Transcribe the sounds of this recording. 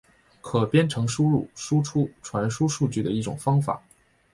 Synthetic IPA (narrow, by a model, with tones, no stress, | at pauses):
kʰɤ˨˩pjɛ˥nʈ͡ʂʰɤ˧˥ŋʂu˥ɻṵ˥˩ʂu˥ʈ͡ʂʰu˥ʈ͡ʂʰwa˧˥nʂu˥ʂu˥˧t͡ɕy˥˩d̪ə˩i˥˩ʈ͡ʂʊ̰˨˩ŋfɑ˥ŋfa̰˨˩˦